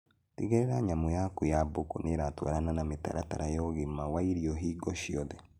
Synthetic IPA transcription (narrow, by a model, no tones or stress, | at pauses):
tḭɣeɾɛɾaɲamɔjakojabokoneɾatwa̰ɾananameta̰ɾataɾajɔːɣemawaiɾiɔɦiːɡɔʃiɔðɛ